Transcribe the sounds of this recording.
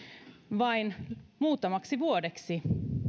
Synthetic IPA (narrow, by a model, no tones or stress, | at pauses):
ʋɑinmuːt̪ːˑɑmɑksiʋuodeksi